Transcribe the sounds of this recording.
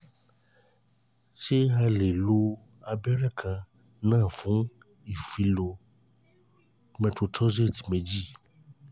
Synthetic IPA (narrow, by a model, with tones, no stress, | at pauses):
ʃe˦ɦa˦le˨lo˦ | a˨bɛ˦ɖɛ˦kʰa˨ | nã˦˨fũ˨˦ | i˨fi˨lo˨ | mẽ˨t̪o˨t̪ɔ˦ze˦˨t̪i̥˨mẽ˨d͡ʑi˦˨